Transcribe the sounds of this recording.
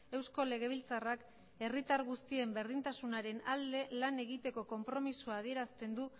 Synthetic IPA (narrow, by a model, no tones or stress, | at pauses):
e̞wsko̞le̞ɣ̞e̞β̞ilt͡sarak | e̞rit̪aɾɣust̪ie̞mbe̞ɾðint̪asunaɾe̞nald̪e̞lane̞ɣit̪e̞ko̞ko̞mpɾo̞misuaːð̞ie̞ɾast̪e̞nd̪u